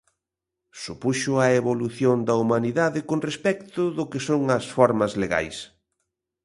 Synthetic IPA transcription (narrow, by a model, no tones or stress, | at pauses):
supuʃʊɐeβoluθjond̪ɐumaniðaðɪkoŋrespɛkt̪ʊðʊkɪsoŋɐsfɔɾmɐzleɣa̰js